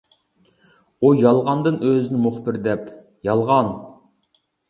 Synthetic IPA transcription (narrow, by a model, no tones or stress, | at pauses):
ojɑlˠʁɑnd̪ɨnøzɪnɪmʊχbɪɾd̪ɛp | jɑlˠʁɑn